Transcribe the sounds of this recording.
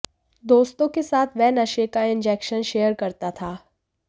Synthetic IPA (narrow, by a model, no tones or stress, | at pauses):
d̪oːst̪õkesaːt̪ʰʋɛːnɐʃekaɪ̃nd͡ʒɛːkʃənʃeːəɾkɐɾt̪at̪ʰaː